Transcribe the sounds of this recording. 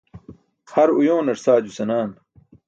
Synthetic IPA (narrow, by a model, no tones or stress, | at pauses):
hɐɾujõːnɐɾsaːd͡ʑusɐnaːn